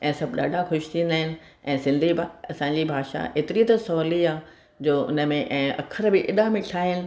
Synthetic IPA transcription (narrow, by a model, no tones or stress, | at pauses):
ɛ̃ːsɐbɗa̰ːɖʱaxʊʃɪ̥t̪ʰĩnd̪aːɦɪnɪ̆ | ɛ̃ːsɪ̃nd̪ʱibɐsãɲd͡ʑibʱaːʃa̰ʔeːt̪ɪɾit̪ɐsɔːliaː | d͡ʑoːʊ̰nə̆mẽʔɛ̃ːʔɐ̰kʰəɾbɪʔɪɗãmɪʈʰaːɦɪnɪ̆